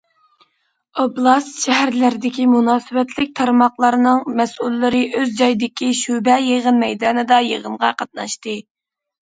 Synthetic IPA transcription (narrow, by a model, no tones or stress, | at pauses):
oblˠɑst̪ʃɛɦæɾlɪɾɪd̪ɪkʲimunɑːsɨbɛt̪ʰlɪk̚ʲt̪ʰɑɾmɑχlˠɑɾnɨŋmɛsulːɪɾɪʔøzd͡ʒɑjd̪ɪkʲʰiʃubɛjeʁənmɛjd̪ɑːnɨd̪ɑjeʁənʁɑqʰɑt̪̚nɑʃt̪ɨ